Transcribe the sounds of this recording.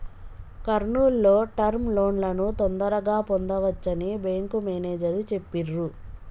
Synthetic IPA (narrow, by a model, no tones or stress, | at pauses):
kɐɾɳuːlːo̞ːʈɐɾmlo̞ːɳlɐnut̪ond̪ɐɾɐɡaːpond̪ɐʋɐt͡ʃːɐnibeːŋkumeneːd͡ʒɐɾut͡ʃe̞pːiɾːu